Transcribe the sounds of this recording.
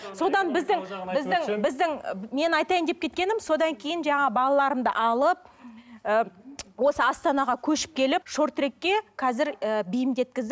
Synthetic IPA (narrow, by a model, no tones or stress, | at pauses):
so̞d̪ɑnbɪzd̪ɪŋbɪzd̪ɪŋbɪzd̪ɪŋme̞nɑjt̪ɑjnd̪e̞p̚kʲe̞t̪̚kʲe̞nɪmso̞d̪ɑŋkʲʰe̞jɪnʒɑɴɑbɑlˠɑlˠɑɾəmd̪ə̰ʔɑlˠəp̚əwo̞səɑst̪ɑnɑʁɑkʲʰɵʃɪ̥p̚kʲʰe̞lɪpʃo̞ɾt̪ɾe̞kʲːe̞qʰɑzɪɾəbijɪmd̪e̞t̪̚kʲɪzd̪ɪ